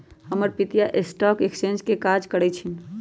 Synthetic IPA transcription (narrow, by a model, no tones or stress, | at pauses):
həməɾpit̪ijaʔesʈɔkekst͡ʃẽnd͡ʒkekad͡ʒkəɾɛt͡ʃʰin